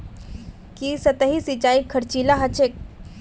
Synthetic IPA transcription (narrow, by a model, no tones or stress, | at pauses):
kisət̪əɦisit͡ʃaːikʰːəɾt͡ʃilaɦat͡ʃʰek̚